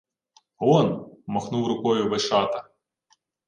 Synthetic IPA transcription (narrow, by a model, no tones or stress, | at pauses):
ɔnmɔxnuwɾʊkɔjʊʋeʃɑt̪ɐ